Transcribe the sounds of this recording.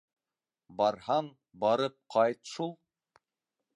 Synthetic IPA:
bɑɾhɑɴ | bɑɾɤp̚qʰɑjt̪ʃulˠ

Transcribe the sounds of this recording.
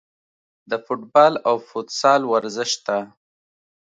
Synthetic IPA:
d̪əfʊʈbɑlawfʊt̪sɑlwaɾzɪʃt̪a

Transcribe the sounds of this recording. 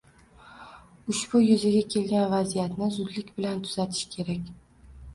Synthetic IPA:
ʊʃbʊjʊzɪɡʲakʲʰe̞lɡʲanvazijat̪nɪzʊd̪lɪkʲbɪlant̪ʰʊz̥at̪ʰɪ̥ʃkʲʰe̞ɾakʲ

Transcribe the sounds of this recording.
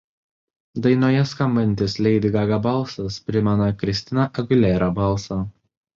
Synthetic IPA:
d̪ɐɪnoːjɛskɐmbɐnʲt̪ʲɪslʲɛɪd̪ʲɪɡɐɡɐbɐlˠsɐspʲɾʲɪmʲɛnɐkɾʲɪsʲt̪ʲɪnɐʔɐɡʲʊlʲɛːɾɐbɐlˠsɐ

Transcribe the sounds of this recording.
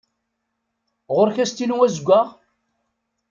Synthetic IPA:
ʁʊɾçæst̪inuwæzɡʷːaʁ

